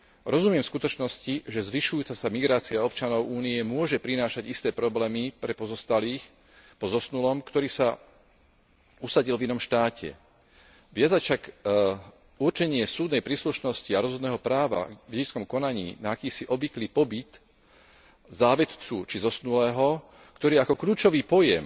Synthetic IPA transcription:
ɾɔzumɪɛmfskut̪ɔt͡ʃnɔsciʒɛzʋiʃujuːt͡sasamiɡɾaːt͡siaɔp̚t͡ʃanɔʊʔuːniɛmʊɔʒɛpɾinaːʃaɟist̪ɛːpɾɔblɛːmipɾɛpɔzɔst̪aliːx | pɔzɔsnulɔmkt̪ɔɾiːsa | usaɟilvinɔmʃt̪aːcʰɛ̰ | ʋɪad͡zaʃak | urt͡ʃɛɲɪɛsuːd̪nɛjpɾiːsluʃnɔsciaɾɔzɔd̪nɛːɦɔpɾaːʋa̰vɛɛt͡skɔmkɔnaɲḭːnaːkiːsiʔɔbʋikliːpɔbit̪ | zaːʋɛt̪t͡sut͡ʃizɔsnulɛːɦɔ | kt̪ɔɾiːakɔkʎuːt͡ʃɔʋiːpɔjɛm

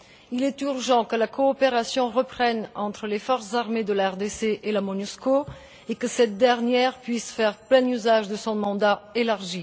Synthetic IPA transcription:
ilɛt̪yʁʒɑ̃kəlakoːpeʁasjɔ̃ʁəpχɛnɑ̃t̪χəlefɔʁszaʁmed̪əlaɛʁd̪eseʔelamonysko | ekəsɛt̪̚d̪ɛʁnjɛʁpɥisfɛʁplɛ̃nyzaʒd̪əsɔ̃mɑ̃d̪aelaʁʒi

